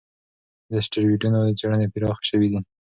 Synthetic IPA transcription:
d̪əsʈəɾwiɖunod̪əd͡ʒaɽənepiɾɑxʃəwid̪i

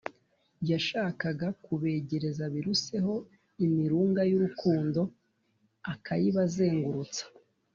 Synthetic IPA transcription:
jaʃaːkaɡakuβe̞ːɟe̞ɾe̞zaβiɾuse̞ɦo̞ | imiɾuːŋɡajuɾukuːndo̞ | akajiβaze̞ːŋɡuɾut͡sḁ

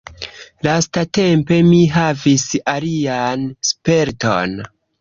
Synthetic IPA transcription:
lastate̞mpe̞miɦavisalianspe̞ɾto̞̰n

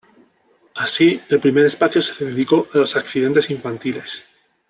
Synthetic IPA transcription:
asielpɾime̞ɾe̞spaθjo̞seðeðeðiko̞ʔalo̞sakθiðe̞nt̪e̞siɱfant̪ile̞s

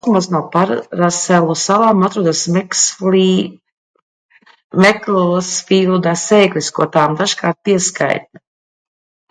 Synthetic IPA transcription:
kmasnawpaɾːasɛlˠusavamat̪ɾuɔd̪asmɛksi | mɛklsfilˠd̪asɛːklʲiskuɔt̪aːmd̪aʒkaːɾt̪̚piɛska̰jt̪̚na

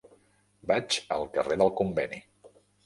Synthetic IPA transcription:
bat͡ʃə̰lˠkəreðəlˠkumbɛni

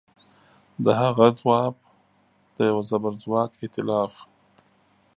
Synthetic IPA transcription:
d̪əɦaɣad͡zwɑk̚ | d̪̥əjawazabaɾd͡zwɑkɪt̪ɪlɑːf

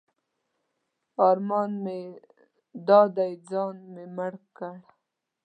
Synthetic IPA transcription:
ɑɾmɑnme | d̪ɑd̪ajd͡zɑnmemaɽkaɽ

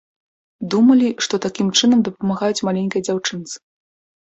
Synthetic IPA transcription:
d̪umɐlʲiʂt̪ɔt̪akʲimt͡ʂɨnɐmd̪ɐpɐmaɣajut͡sʲmalʲenʲkɐjɐd͡zʲawt͡ʂɨnt̪sɨ̥

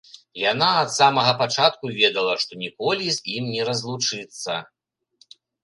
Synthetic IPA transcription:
janaɐt̪samɐɣɐpat͡ʂat̪̚kuvʲɛd̪ɐlˠɐʂt̪ɔnʲikɔlʲizʲimnʲɛɾɐzlˠut͡ʂɨt̪sːɐ̰

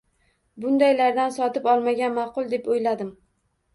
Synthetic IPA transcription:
bʊnd̪ajlaɾd̪ansɒt̪ɪpɒlˠmaɡʲanmɑqʊlˠd̪e̞pojlad̪ɪm

